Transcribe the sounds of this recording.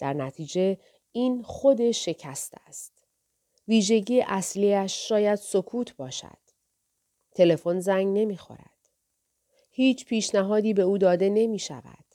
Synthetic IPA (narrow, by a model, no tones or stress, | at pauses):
d̪̥æɾnæt̪ʰiːd͡ʒe̞ | iːnxo̞d̪e̞ʃe̞cʰæst̪æ̰st̪ | viːʒe̞ɟijeʔæsliæʃʃɒːjæd̪̥so̞kʰuːt̪ʰbɒːʃæ̰d̪̥ | t̪ʰe̞le̞fo̞nzæŋɡne̞miːxo̰ɾæ̰d̪̥ | hiːt͡ʃʰpʰiːʃnæɦɒːd̪iːbe̞uːd̪ɒːd̪e̞ne̞miːʃæ̰væ̰d̪̥